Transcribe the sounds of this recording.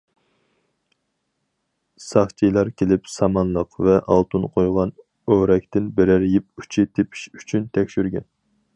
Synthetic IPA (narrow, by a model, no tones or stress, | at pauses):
sɑχt͡ʃʰijlˠɑɾkʲʰelɪpsɑmɑnlˠəqvɛʔɑlˠt̪ʰunqʰojʁɑn | øɾɛkʲt̪ɪnbɪɾɪɾjipy̥t͡ʃʰit̪ʰepʰi̥ʃy̥t͡ʃʰynt̪ʰɛkʲʃyɾɡʲɛn